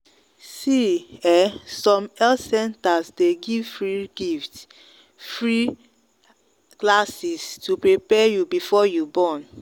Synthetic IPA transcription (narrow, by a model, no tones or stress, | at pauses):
siɛsɔ̃mɛlsɛ̃ntasdeɡivfɹiɡift | fɹi | klasistupɹipɛjubifɔjubɔ̃n